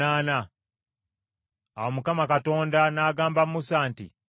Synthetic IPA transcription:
aːna | awomukamakato̞ːndanaːɡaːmbamːusaːntḭ

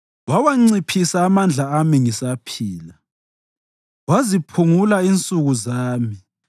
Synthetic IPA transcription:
wawaŋ͡ǀipʰisaːmand͡ɮʱaːmiŋisapʰiːla | wazipʰuŋulaint͡sʼuɣuzaːmi

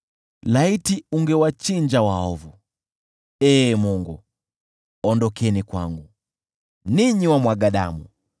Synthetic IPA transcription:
laitiuŋɡɛwat͡ʃiɲd͡ʒawaɔvu | ɛmuŋɡu | ɔndɔkɛnikwaŋɡu | niɲiwamwaɡaɗa̰mṵ

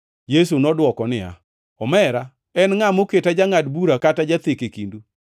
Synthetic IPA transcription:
jes̬unɔdwɔkɔnɪja̰ | ɔmɛɾa | ɛnŋamoketad͡ʒaŋadbuɾakatad͡ʒat̪ekekindu

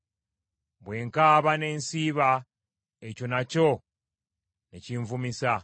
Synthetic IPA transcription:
bwe̞ːŋkaːβane̞ːnsiːβa | eco̞naco̞ | nḛciːɱvumisa

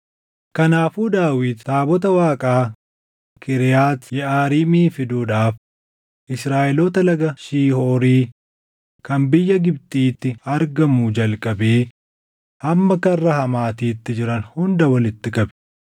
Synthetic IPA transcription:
kɐnaːfuːd̪aːwiːd̪t̪aːbɔt̪̬ɐwaːkʼaː | kʰɪɾɪjaːt̪jɛʔaːɾiːmiːfɪd̪uːᶑaːf | ʔɪsɾaːʔɛlɔːt̪ɐlɐɡɐʃiːhoːɾiː | kɐmbɪjːɐɡɪb̚t̪ʼiːt̪ːɪɐɾɡɐmud͡ʒɐlkʼɐbeː | hɐmːɐkɐrːɐhɐmaːt̪iːt̪ːɪd͡ʒɪɾɐnhʊnd̪ɐwɐlɪt̪ːɪkʼɐbɛ

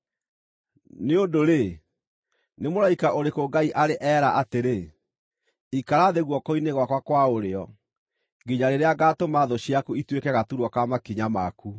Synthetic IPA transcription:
neodoɾe | nemoɾaikaʔoɾekoɡaiʔaɾeʔɛːɾaʔateɾe | ikaɾaðeɣwɔkoineɣwakwakwaoɾeɔ | ɡiɲaɾeɾeaɡaːtomaðoɕiakuitwekɛɣatuɾwɔkamakiɲamaku

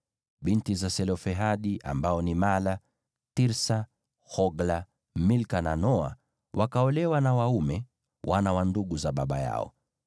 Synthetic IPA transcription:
ɓintizasɛlɔfɛɦaɗiʔa̰mbaɔnimala | tiɾsa | hɔɡla | milkananɔa̰ | wʔakaɔlɛwanawaumɛ | wanawanduɠuzaɓaɓa̰ja̰ɔ̰

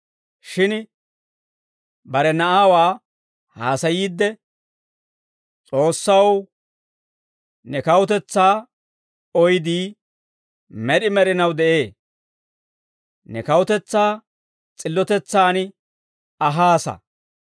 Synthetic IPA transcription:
ʃɪn | bɐɾɛnɐʔaːwaː | haːsɐjiːd̪ːɛ | t͡sʼo̞ːsːɐw | nɛkɐwʊt̪ɛt͡sːaː | ɔjd̪iː | mɛɗɪmɛɾɪnɐwd̪ɛʔe̞ː | nɛkɐwʊt̪ɛt͡sːaː | t͡sʼɪlːɔt̪ɛt͡sːaːn | ɐɦaːsɐ̰

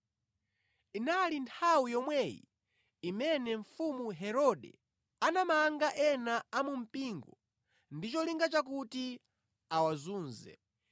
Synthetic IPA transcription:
inalintʰawijɔmwɛjḭ | imɛnɛɱ̩fumuɦɛɾɔɗɛ̰ | anamaŋɡaʔɛnaamum̩piŋɡɔ | ndit͡ʃɔliŋɡat͡ʃak̬uti | awazuːnzɛ̰

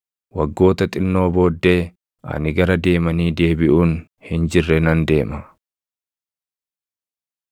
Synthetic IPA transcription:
wɐɡːo̞ːt̪ɐt̪ʼɪnːo̞ːbo̞ːd̪ːe̞ː | ʔɐ̰nɪɡɐɾɐd̪e̞ːmɐniːd̪e̞ːbɪʔuːn | hɪnd͡ʒɪrːɛnɐnd̪e̞ːmɐ

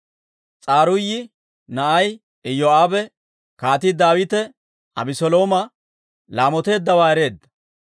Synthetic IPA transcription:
t͡sʼaːɾʊjːɪ | nɐʔɐj | ɪjoːaːbɛ | kaːt̪ɪd̪aːwɪt̪ɛ | ɐ̰bɪsɔlo̞ːmɐ | laːmɔt̪e̞ːd̪ːɐwaːɛɾe̞ːd̪ːɐ̥

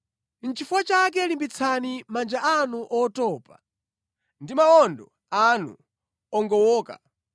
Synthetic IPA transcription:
n̩t͡ʃifuwat͡ʃak̬ɛlimbit͡sʰanimand͡ʒaʔanuʔɔtɔːpa | ndimaɔndɔ | anṵ | ɔŋɡɔwɔːka̰

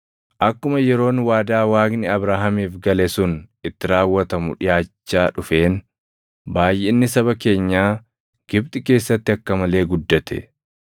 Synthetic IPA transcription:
ʔɐkːʊmɐjɛɾo̞ːnwaːd̪aːwaːɡnɪɐbɾaːɦɐmiːfɡɐlɛsʊnʔɪt̪ːɪɾaːwːɐt̪ɐmʊ̰ᶑɪjaːt͡ʃːaːᶑʊfe̞ːn | baːjːʔenːɪsɐβɐke̞ːɲːaː | ɡ̥ɪbt̪ʼɪke̞ːsːɐt̪ːɪɐkːɐmɐle̞ːɡʊd̪ːɐt̪ʰɛ̰

